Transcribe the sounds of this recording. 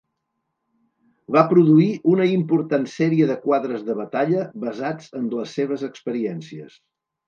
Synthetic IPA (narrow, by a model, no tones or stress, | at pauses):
βapɾuðuiʔunəimpuɾt̪ansɛɾiəðəkwaðɾəzðəβət̪aʎəβəzad͡zənləsːeβ̞əzəkspəɾiɛnsiə̰s